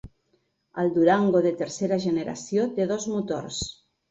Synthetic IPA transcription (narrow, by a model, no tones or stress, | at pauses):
a̰ld̪uɾaŋɡoðet̪eɾseɾaʒeneɾa̰sjot̪eðozmut̪o̰ɾs